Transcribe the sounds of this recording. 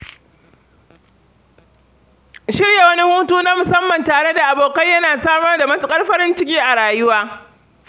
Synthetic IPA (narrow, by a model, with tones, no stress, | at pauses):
ʃɪ˦ɽja˨wɐ˦ni˦huː˦tuː˦naː˦mʊ˨sɐ˦mːɐ˨ntaː˨ɽe˦da˨ʔa˨boː˨kɐ˦jjɐ˦naː˨saː˦mɐ˦rda˨mɐ˦tʊ˦kʼɐ˦rɸɐ˦ɾɪ˦nt͡ʃɪ˦kʲiː˦ʔa˨ɽaː˨jʊ˦waː˦